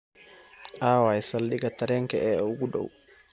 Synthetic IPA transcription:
ʔaːwaɛsalːiɡataɾɛŋkɛʔɛuɡuɗo̰w

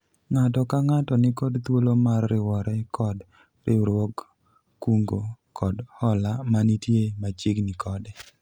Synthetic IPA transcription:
ŋatɔkaŋatɔnɪkɔdt̪wolomarːɪwɔɾɛkʰɔd | ɾɪɾwɔkː | uŋɡokʰɔdhɔlamanitjemat͡ʃɪɡnɪkʰɔdɛ

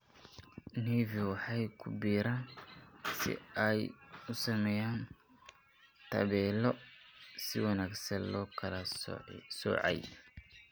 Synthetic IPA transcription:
niːviwɑħɑjkʰʊbiːɾaːnsɪ̰ɛjʊsɐmɛːjaːn | t̪ʰɐ̰βɛːlɔsɪwɑnaːɡsɐnlɔːkʰɐlɐ̰ | sɔ̰ːʕɑ̰j

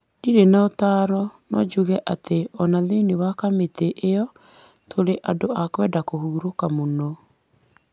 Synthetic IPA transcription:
diɾenaotaːɾɔnɔd͡ʒuɣɛʔateɔnaðeinewakameteʔeɔ | tʰoɾeʔadoʔakwɛdakohuɾokamonɔ

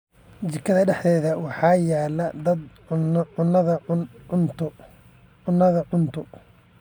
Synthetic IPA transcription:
t͡ʃɪkʰɐðɐɖɛħðɛːðɐwɑħɑːjaːlɐd̪ɐd̪ | ʕʊnɐðɐʊnt̪ʊ | ʊnːɐðɐʕʊnt̪ʰʊ

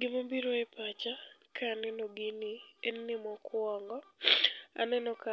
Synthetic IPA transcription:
ɡɪmabiɾoɛpat͡ʃakanɛnoɡɪnɪɛnːɪmɔkwɔŋɡɔ | a̰nɛnɔka

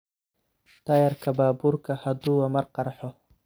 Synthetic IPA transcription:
t̪ʰɐjɐɾkʰɐbaːbuːrkʰɐhɐd̪uːwɐmɐrqɑɾħɔ

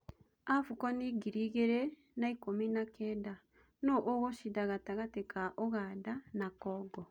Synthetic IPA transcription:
afukɔniɡiɾiɣeɾe | naikominakɛːda | noʔoɣoʃidaɣataɣatekaʔoɣadanakɔːɡɔ

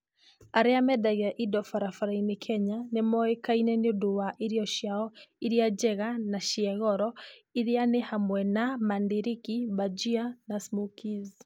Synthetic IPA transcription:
aɾɛamɛdaɣɛaʔidɔfaɾafaɾainikʰɛɲanemɔɛkainɛniduwaʔiɾiɔʃiaɔiɾiad͡ʒɛɣanaʃiɛɣɔɾɔiɾianehamwɛnamandiɾikibad͡ʒianasmukiz

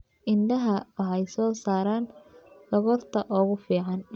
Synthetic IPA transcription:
ʔɪnɖ̪ɐɦɐɐħɛjsɔːsaːɾaːndɔɣɔrt̪ʰɐʔɔːɣʊfiːʕɑn

